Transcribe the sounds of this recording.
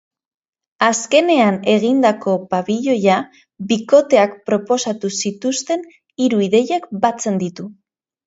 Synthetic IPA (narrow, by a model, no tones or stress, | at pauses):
aske̞ne̞ane̞ɣind̪ako̞paβiʎo̞ja | biko̞t̪e̞akpɾo̞po̞sat̪usit̪ust̪e̞n | iɾuiðe̞jakbat͡se̞nd̪it̪u